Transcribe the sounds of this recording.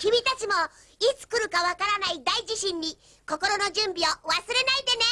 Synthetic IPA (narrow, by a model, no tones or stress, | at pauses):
kʲibʲit̪at͡ɕimo̞ | it͡sɨ̥kɯ̟ɾɯ̟kaβakaɾanaid̪aiʑiɕĩɲ̟ːi | ko̞ko̞ɾo̞no̞ʑɨ̃mbʲioβasɨɾe̞naid̪e̞ne̞